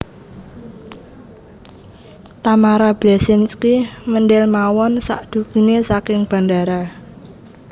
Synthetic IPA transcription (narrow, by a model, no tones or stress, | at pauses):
t̪amaɾab̥lasɪnskimənɖɪlmawɔnsa̰ʔd̪̥ṳkinesakɪŋb̥a̤ndaɾa